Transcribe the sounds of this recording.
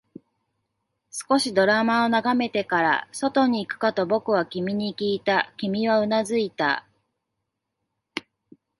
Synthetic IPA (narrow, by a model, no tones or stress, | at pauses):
sɨ̥ko̞ɕid̪o̞ɾamao̞naɡame̞t̪e̞kaɾa̰so̞t̪o̞ɲ̟iːkɯ̟̥kat̪o̞bo̞kɯ̟βakʲimʲiɲ̟ikʲiːt̪akʲimʲiβaɯ̟nazɨit̪a̰